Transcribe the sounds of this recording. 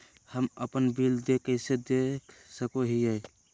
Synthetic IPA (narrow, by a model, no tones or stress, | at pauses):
həməpənbild̪ekəɪsed̪ekʰsəkoɦiəj